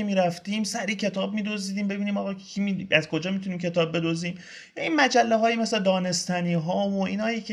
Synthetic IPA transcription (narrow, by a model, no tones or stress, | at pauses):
emiːɾæft̪iːmsæɾiːcʰe̞t̪ʰɒːb̚miːd̪oziːd̪iːmbe̞biːniːmɒːɣɒːiiæzkʰo̞d͡ʒɒːmit̪ʰuniːmcʰe̞t̪ʰɒːb̚be̞d̪oziːm | jɒːinmæd͡ʒælːeɦɒːjimesled̪ɒːne̞st̪æniːɦɒːvoiːnɒːjikʰe